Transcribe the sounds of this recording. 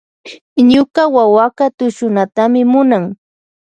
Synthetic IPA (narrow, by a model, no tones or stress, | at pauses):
ɲʊkawawakat̪ʊʃʊnat̪amɪmʊnaŋ